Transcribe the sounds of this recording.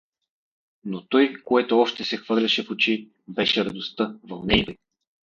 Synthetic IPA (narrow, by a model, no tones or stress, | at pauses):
not̪ɔjkoɛt̪oɔʃt̪ɛsɛxvɤɾlʲɐʃɛfot͡ʃi | bɛʃɛɾɐd̪ost̪ɤvɐlˠnɛjbɛj